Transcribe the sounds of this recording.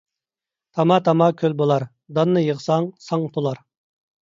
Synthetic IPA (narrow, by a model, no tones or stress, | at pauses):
t̪ʰɑmɑt̪ʰɑmɑkʲʰølbolˠɑɾ | d̪ɑnːɨjəʁsɑŋsɑŋt̪ʰolˠɑɾ